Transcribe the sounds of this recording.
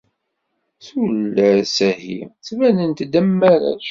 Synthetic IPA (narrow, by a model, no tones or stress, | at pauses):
sulːæsæhḭt͡sːvænənt̪d̪əmːæɾæ̰ʃ